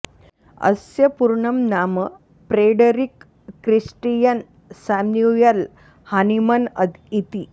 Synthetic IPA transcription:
ə̰sjəpuɾɳəmnamə | pɾeɖəɾikː | ɾisʈijən | samnujəl | hanimənəd̪it̪iː

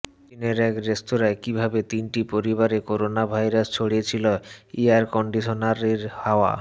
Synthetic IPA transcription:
ineɾɛkɾest̪oɾaekibʱabet̪inʈipoɾibaɾekoɾonabʱajɾast͡ɕʰoɽiet͡ɕʰiloiaɾkɔɳɖiʃonaɾiɾhaoa̰

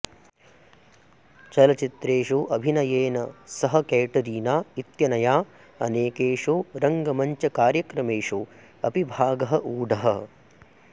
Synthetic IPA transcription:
t͡ʃɐlɐt͡ʃit̪ɾeːʂuʔɐbʱinɐjeːnɐsɐɦɐkeːʈɐɾiːnaːit̪jɐnɐjaː | ɐ̰neːkeːʂuːɾɐŋɡɐmɐɲt͡ʃɐkaːɾjɐkɾɐmeːʂuː | ɐpibʱaːɡɐɦɐʔuːɖʱɐɦɐ

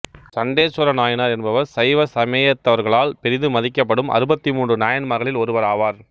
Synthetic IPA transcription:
sɐɳɖeːsɔɾɐnaːjɐnaːɾɛnbɐʋɐɾsɐɪʋɐsɐmɐjɐt̪ːɐʋɐɾɣɐɭaːlpɛɾɪðɯmɐðɪkːɐpːɐɽɯmʔɐ̰ɾɯbɐt̪ːimuːɳdrɯnaːjɐnmɐɣɐɭɪlɔɾɯʋɐɾaːʋaːɾ

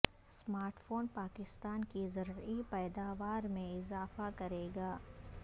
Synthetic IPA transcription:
smaːɾʈfoːnpaːkɪst̪aːnkizɐɾipɛːd̪aːʋaːɾmẽɪzaːfakɐɾeːɡaː

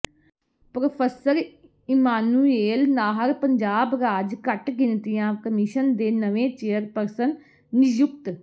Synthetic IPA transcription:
pɾəpʰəsəɾ | ɪmaːnuːeːlnaːɦəɾpəɲd͡ʒaːbɾaːd͡ʒkəʈɡɪnt̪ɪjãːkəmɪʃənd̪eːnəʋẽːt͡ʃeːəɾpəɾsən | nɪjʊk̚t̪

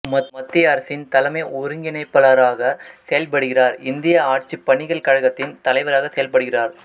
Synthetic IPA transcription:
mɐmɐt̪ːɪaːɾɐsɪnt̪ɐlɐmɐɪɔɾɯŋɡɪnɐɪpːɐlɐɾaːɣɐsɛjɐlpɐɽɯɣɪraːɾɪnd̪ɪjɐaːʈ̚t͡ʃipːɐɳɪɣɐɭkɐɻɐɣɐt̪ːɪnt̪ɐlɐɪʋɐɾaːɣɐsɛjɐlpɐɽɯɣɪraːɾ

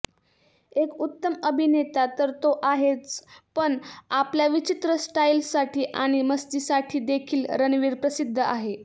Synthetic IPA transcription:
ekut̪ːəməbʱinet̪at̪əɾt̪oʔaɦet͡spəɳapljaʋit͡ɕit̪ɾəsʈajlsaʈʰiːʔaɽ̃iməsd̪isaʈʰiːd̪ekʰiːlɾənʋiːɾpɾəsid̪ʱːəaɦe

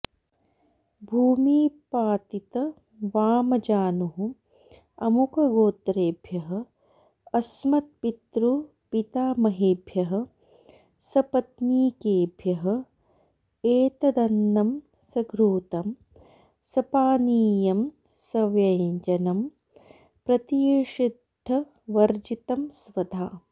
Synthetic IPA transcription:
bʱuːmiːpaːt̪it̪ɐ | ʋaːmɐd͡ʒaːnuɦu | ɐmukɐɡoːt̪ɾeːbʱjɐɦɐ̆ | ɐsmɐt̪̚pit̪ɾu | pit̪aːmɐɦeːbʱjɐɦɐ̆ | sɐpɐt̪niːkeːbʱjɐɦɐ̆ | eːt̪ɐd̪ɐnːɐm | sɐɡɾuːt̪ɐm | sɐpaːniːjɐm | sɐʋjɐnd͡ʒɐnɐm | pɾɐt̪ijʂid̪ʱːɐ | ʋɐɾd͡ʒit̪ɐmsʋɐd̪ʱaː

